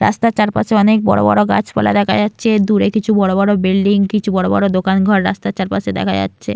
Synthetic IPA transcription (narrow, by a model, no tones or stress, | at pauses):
ɾa̰st̪at͡ɕaɾpaʃeɔnek̚bɔ̰ɽo̰bɔ̰ɽoɡa̰t͡ɕpɔ̰la̰d̪ɛkʰad͡ʑatːɕʰed̪uɾekit͡ɕʰubɔɽobɔɽobilɖiŋkit͡ɕʰubɔɽobɔ̰ɽod̪okanɡʱɔɾɾa̰st̪at͡ɕaɾpaʃed̪ɛ̰kʰa̰ja̰tːɕʰḛ